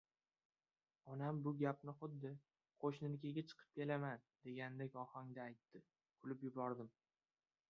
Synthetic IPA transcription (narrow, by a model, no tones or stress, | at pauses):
ɒnambʊɡʲap̚nɪχʊd̪ːɪ | qʰoʃnɪnkʲʰaɡʲat͡ʃʰɨ̥qʰɨ̥p̚kʲe̞laman | d̪̥e̞ɡʲanɪd̪akʲɒhɒŋd̪aːjt̪ʰːɪ | kʰʊlɪpjʊbɒɾd̪ɪm